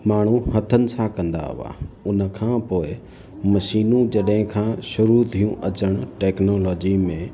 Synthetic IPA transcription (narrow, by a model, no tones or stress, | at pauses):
maːɳ̤̃ũhɐt̪ʰənɪ̆sãkɐ̃nd̪a̰ɦʊ̰ʋa̰ːʊnəkʰãːpoːɪ | mɐʃiːnũd͡ʑɐɗɦɪ̃kʰãːʃʊɾut̪ʰijũʔɐt͡ɕəɽ̃ʈeːknoːlɔːd͡ʑimẽ